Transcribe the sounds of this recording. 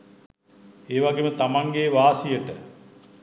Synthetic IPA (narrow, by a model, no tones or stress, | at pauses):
eːʋaɡemət̪amaŋɡeːʋaːsijəʈə